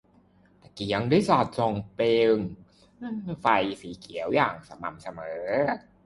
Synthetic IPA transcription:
t̪a˧˩ki˨˦ə˦ŋdaː˧˥˩saː˨˩t̪̚so˨˩ŋpe˧ŋː˧˩ | fa˧jsiː˨˦kʰi˨˩˦ə˦wjaː˨˩ŋsa˧ma̰˧˩msa˧mɤː˩˦

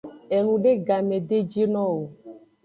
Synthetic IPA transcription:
e˨nũ˨ɖe˦ɡa˨mẽ˨d̪e˦d͡ʒi˦nɔ̃˦wo˨

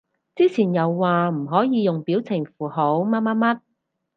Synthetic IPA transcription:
t͡siː˥t͡sʰiː˨˩njɐ˨˧wːaː˨m̩˨˩ɦɔː˨˥jiː˨˧jʊ˨ŋpiː˨˥wt͡sʰɪ˨˩ŋfuː˨˩ɦo˨˥wmaː˥maː˥mɐ˥t̚

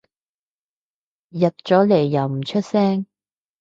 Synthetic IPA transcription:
jɐ˨t̚t͡ʃɔː˨˥le˨˩jːɐ˨˩wm̩˨˩t͡ʃʰɵ˥t̚sɛː˥ŋ

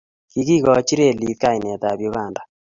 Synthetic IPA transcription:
ki˧ki˦kɔ˨t͡ʃi˦ɾe˦˨li˨˦t̪ka˦˨ji˨nɛ˨t̪a˨bjo˦ka˨nda˨

